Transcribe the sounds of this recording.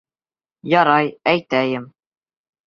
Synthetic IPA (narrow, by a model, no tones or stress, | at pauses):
jɑɾɑjæjt̪æjɘm